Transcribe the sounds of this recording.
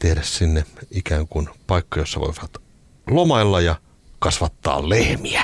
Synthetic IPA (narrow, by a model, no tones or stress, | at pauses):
t̪ehɾæssinːeikæːŋkunpɑikːɑjosːɑʋo̰iʋɑt̪ | lomɑilːɑjɑ | kɑsʋɑt̪ːɑ̰ːllehmiæ